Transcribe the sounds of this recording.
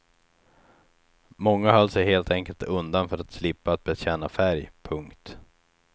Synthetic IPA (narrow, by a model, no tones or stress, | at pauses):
mɔŋːahaɾalsɛheːlt̪ʰɛŋkəlt̪ɵnd̪anfœɾat̪slɪpːaːt̪̚bɛɕɛːnafæɾjpʰɵŋkt̪